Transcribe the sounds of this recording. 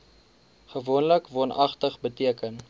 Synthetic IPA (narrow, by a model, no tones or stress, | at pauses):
χəvuənləkvɑːnʔɐχtəχbətiəkən